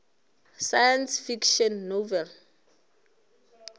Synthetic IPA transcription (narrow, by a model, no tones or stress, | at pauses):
sajansfikʃɔnːovɛl